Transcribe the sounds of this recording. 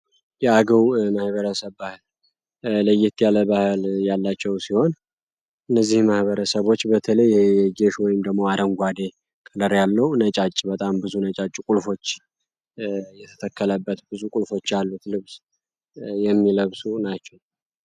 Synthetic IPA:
jɛaɡəwməhβəɾəsəβːahɨl | ləjːɪt̪jaləbahɨljalːat͡ʃːɛwsiho̞n | ʔɨnːəzːihməhβəɾəsəβo̞t͡ʃːbət̪ʰələjɛɡeʃwɔjɪmd̪əɡmo̞aɾəŋɡʷad̪e̞ | kʼələɾjalːəwnət͡ʃʼat͡ʃʼːbət̪ʼambɨzunət͡ʃʼat͡ʃʼkʼulfo̞t͡ʃː | jɛt̪ʰə̥t̪ʰəkʰːələbːət̪bɨzukʼulfo̞t͡ʃːjalːut̪lɨβz̥ | jɛmːiləβsunat͡ʃːɛw

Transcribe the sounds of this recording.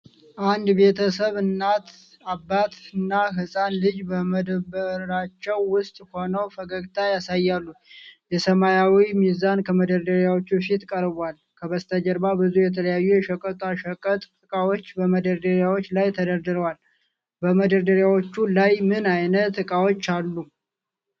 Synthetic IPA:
ʔand̪be̞t̪ʰəsəβɨnːat̪ | abːat̪ɨnːaɦɨsʼanlɨd͡ʒbəməd̪əbəɾat͡ʃːɛwːʊst̪ʼho̞nəwfəɡəɡt̪ʰajasajːalːujɛsəmajawimizankʰəməd̪əɾd̪əɾjawot͡ʃːufit̪kʼəɾbal | kʰəβəst̪ʰad͡ʒəɾbabɨzujɛt̪ʰələjajːujɛʃəkʼət̪ʼaʃəkʼət̪ʼːɨkʼawo̞t͡ʃːbəməd̪əɾd̪əɾjawo̞t͡ʃːlajt̪ʰəd̪əɾd̪ɨɾəwal | bəməd̪əɾd̪əɾjawot͡ʃːulajmɨnajnətt̪ːɨkʼawo̞t͡ʃːalːu

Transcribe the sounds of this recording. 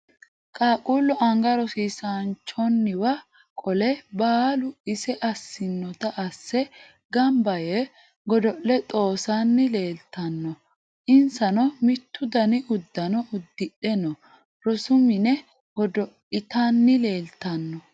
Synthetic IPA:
kʼaːkʼuːlːɔʔɐŋɡɐɾɔsiːsant͡ʃɔnːɪwɐ | kʼɔlɛbaːlʊɪsɛʔɐsːɪnːɔt̪ɐʔɐsːɛ | ɡɐmbɐje | ɡɔd̪ɔʔːɛt̪ʼo̞ːsanːɪle̞ːlt̪ɐnːɔ | ʔɪnsɐnɔmɪt̪ːʊd̪ɐnɪʔʊd̪ːɐnɔʊd̪ːɪɗɛnɔ | ɾɔsʊmɪnɛ | ɡɔd̪ɔʔɪt̪ɐnːɪle̞ːlt̪ɐnːɔ

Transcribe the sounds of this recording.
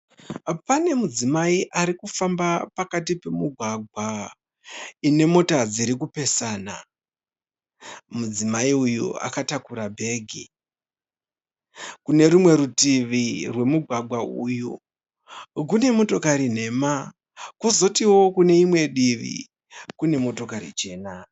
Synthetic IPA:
pane̞mud͡zimaiʔaɾikufambapakatipe̞muɡʱwaɡʱwa | ine̞mo̞tad͡ziɾik̬upe̞saːna | mud͡zimaiujṵa̰katakuɾabʱe̞ːɡʱi | kune̞ɾumwe̞ɾutiʋirwe̞muɡʱwaɡʱwaṵju | k̬une̞mo̞to̞kaɾin̤e̞ma | kuzo̞tiwo̞kune̞imwe̞ɗiʋḭ | kune̞mo̞to̞karḭt͡ʃe̞ːna

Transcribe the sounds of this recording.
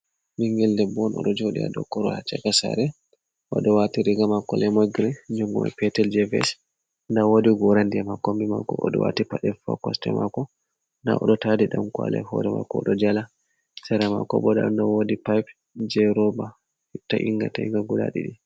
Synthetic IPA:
miŋɡɛldɛbɔnʔɔ̰ɗɔd͡ʒoɗḭa̰dɔkːɔɾɔhat͡ʃːɛkasa̰ɾɛ | ʔɔɗɔwatiɾiɡamakɔlɛmoɡɾɛd͡ʒɔŋɡɔma̰pɛtɛld͡ʒɛvɛ̰s | ndawodiɡɔɾandiamakːɔmbima̰kɔ̰ɔɗɔ̰wa̰tipaɗɛfa̰kɔstɛmakɔ | na̰ʔɔɗɔtadiɗamkwa̰lɛ̰hɔdɛma̰kɔɔɗɔd͡ʒala | sɛɾama̰kɔbɔda̰ndawodipajp | d͡ʒɛɾɔba | taʔiŋɡa̰taiŋɡaɡula̰ɗḭɗi

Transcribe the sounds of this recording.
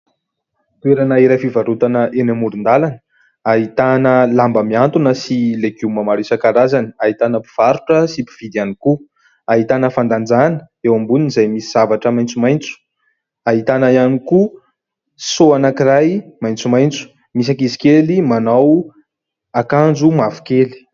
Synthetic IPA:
t̪ueɾanəiɾajfivaɾut̪anəʔenamuɾund̪alanə | aɦit̪anəlambəmiant̪unəsileɡumamaɾisakaɾazaniaɦit̪anəpi̥v̥aɾuʈ͡ʂəsipi̥v̥id̪ianiku | aɦit̪anəfand̪and͡zanə̥ | ewambuninizajmisiz̥avaʈ͡ʂəmajnt͡sumajnt͡su̥ | aɦit̪anaianiku | soanakiɾajmajnt͡sumajnt͡su̥ | mis̬akizi̥kelimanaw | akand͡ʒumavu̥keli̥

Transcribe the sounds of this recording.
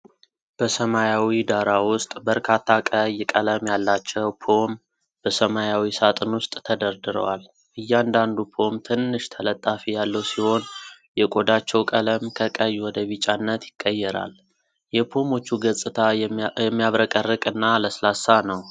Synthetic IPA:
b̥əsəmajawid̪aɾawʊst̪ʼbəɾkʰat̪ʰːakʼəjkʼələmjalːat͡ʃːɛwpʰo̞m | b̥əsəmajawisat̪ʼɨnwʊst̪ʼt̪ʰəd̪əɾd̪ɨɾə̰wal | ʔɨjːand̪and̪upʰo̞mt̪ʰɨnːɨʃt̪ʰələt̪ʼːafijalːəwsiho̞n | jɛkʼod̪at͡ʃːɛwkʼələmkʰəkʼəjːwɔd̪əβit͡ʃʼanːət̪jɪkʼːəjːɛɾa̰l | jɛpʰo̞mo̞t͡ʃːuɡəsʼɨt̪ʰaɛmːijaβɾəkʼərːɨkʼɨnːaləslasːanəw

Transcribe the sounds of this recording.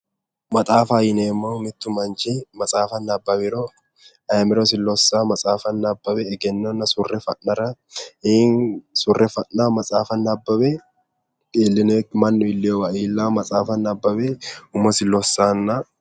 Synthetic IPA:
mɐt̪ʼaːfajɪneːmːomɪt̪ːʊmɐnt͡ʃemɐt͡sʼaːfɐnːɐbːɐbɪɾo | ɐmɪɾos̬ɪlːɔsːaːmɐsʼaːfɐnːɐbːɐbɛːɡɛnːɔnːɐsʊrːɛfɐʔnɐɾɐeːnsʊrːɛfɐʔnamɐt͡sʼaːfɐnːɐbːɐbɛ | eːlːɪnɛkmɐnːʊɪlːewɐʔiːlːaːmɐt͡sʼaːfɐnɐbːɐbeːʊmɐsɪlɔsːaːnːɐ

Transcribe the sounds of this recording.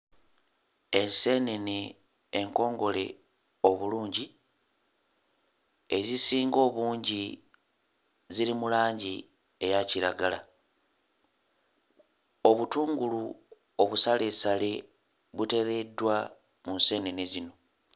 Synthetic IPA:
e̞nse̞neni | eŋko̞ːŋɡo̞le̞̰ | o̞βuluːɲɟi | e̞zisiːŋɡo̞ːβuːɲɟi | ziɾimulaːɲɟi | e̞jaciɾaɡala̰ | o̞βutuːŋɡulu | oβusale̞sale̞ | βute̞ɾe̞dːwa | munse̞nenizino̞

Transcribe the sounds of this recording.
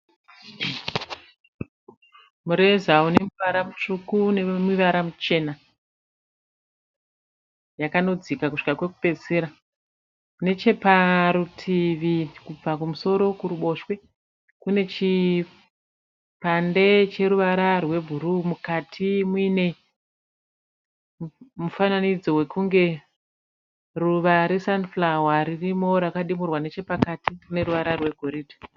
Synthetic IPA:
muɾezaune̞muʋaɾamut͡ʂukunemuʋaɾamut͡ʃe̞na | jakano̞d͡zikakuʂi̥kakwe̞ku̥pe̞seɾa | kne̞t͡ʃe̞paɾutʰiʋikub͡vakumuso̞ɾo̞kuɾuɓo̞ʃwe̞ | kune̞t͡ʃi | pande̞t͡ʃe̞ɾuʋaɾarwe̞bʱuɾumukatʰimwine̞ | mufananid͡zowe̞kuŋɡe̞ | ruʋaɾesanflawaɾirimo̞ɾakaɗimurwane̞t͡ʃe̞pakatikune̞ɾuʋaɾarwe̞ɡʱo̞ɾidʱi̥

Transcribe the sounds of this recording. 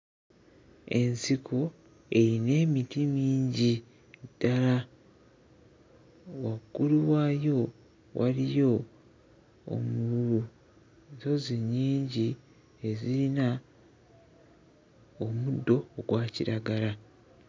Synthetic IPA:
e̞nsikʰo | e̞ɾine̞ːmitimiːɲɟi | d̥ala | waɡuluwaːjo̞ | wʔa̰ɾijo̞ | o̰muuu | zo̞ziɲːiːɲɟi | e̞ziɾina | omudːo̞ːɡwaːciɾaɡala

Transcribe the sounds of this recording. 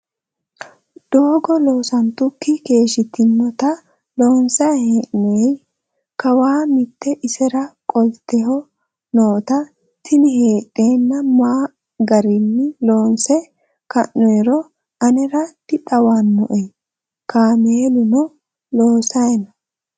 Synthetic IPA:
d̪̥oːɡɔlo̞ːsɐnt̪ʊkːɪke̞ːʃɪt̪ːɪmːɔt̪ɐ | lo̞ːnsɐheːʔɔjɛj | kɐwaːmɪt̪ːɛʔɪsɛɾɐkʼɔlt̪ːɛhɔ | noːt̪ɐ | t̪ɪnɪhe̞ːᶑʼeːnːɐmaː | ɡɐɾɪnːɪloːnsɛ | kɐ̰ʔːɔjɛɾɔ | ɐnɛɾɐd̪ɪt̪ʼɐwanːɔʔɛj | kaːmeːlʊnɔ | loːsɐjɛnɐ

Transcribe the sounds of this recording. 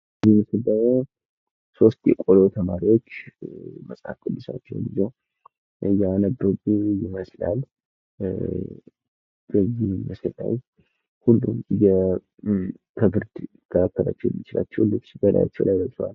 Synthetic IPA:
ziməsɨld̪əmːo | so̞st̪jɛkʼo̞lot̪ʰəmaɾiwo̞t͡ʃːməsʼa̰kʼɨd̪ːɨsa̰t͡ʃːɛwbizow | janəbːəɡujɪməsla̰l | bəzːihməslːa̰j | hulːumjɛ | kʰəbɨɾd̪ | ɡ̥ʰəakːəɾa̰t͡ʃːɛwɛ̰mːit͡ʃɪla̰t͡ʃːɛhlːɨt͡ʃbəd̪a̰ja̰t͡ʃːɛ̰wlʔajbəswal

